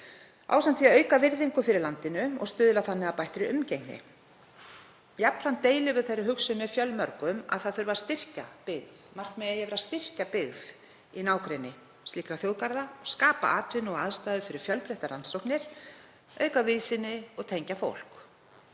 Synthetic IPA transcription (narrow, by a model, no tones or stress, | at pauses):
a̰wsamt̪fiaœːɥkavɪɾðiŋkʏfɪɾɪɾlant̪ɪnʏɔ̰ɣst̪ʏːðlaθanːɪaðpajht̪ɾɪʏmcejknɪ̰ | japlɾ̥ant̪eːjlɪvʏ̥θejrːɪɦʏksʏnɛfjœlmœɾkʏma̰ðθaðθʏɾvaɾ̥st̪ɪr̥capɪɣðmar̥knmɛajɛɣvɛɾast̪ɪr̥capɪɣð | inaːwkɾejnːɪ | st̪liːkɾaθjowðkaɾðaskaːpa̰ʔaːt̪vɪnɔɣaðst̪ajðʏfɪɾɪɾ̥fjœlpɾɛht̪aɾansowknɪɾ̥ | œːɥkavɪːðsɪnːɪɔɣt̪ʰejɲcafo̰wl̥k